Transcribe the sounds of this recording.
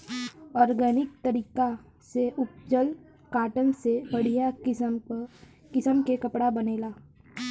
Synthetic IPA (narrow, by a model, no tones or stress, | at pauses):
ɔːɾɡɛːnɪk̚t̪ɐɾiːka | seʔʊp̚d͡ʒəl | kaːʈənsebɐɽ̤ija | kɪsəmkekɐpɽabɐneːlaː